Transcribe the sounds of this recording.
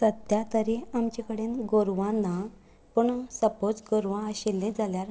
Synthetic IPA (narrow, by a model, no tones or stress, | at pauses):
tət̪jat̪əɾeamt͡ɕekəɽenɡoɾʋãnːa | puɳsəpot͡sɡoɾʋãəɕelːẽd͡zʱaljaɾ